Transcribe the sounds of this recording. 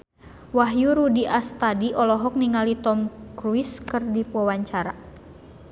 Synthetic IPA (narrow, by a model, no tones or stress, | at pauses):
waɦjuɾudiʔast̪adiʔɔlɔɦɔk̚niŋalit̪ɔmkɾuiskɨrdipwɔwaɲt͡ʃaɾa